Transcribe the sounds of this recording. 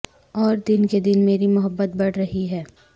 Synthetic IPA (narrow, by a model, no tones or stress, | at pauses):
ɔːɾd̪ɪnked̪ɪnmeːɾimʊɦəbːət̪̚bɐɽɾɐɦiɦɛː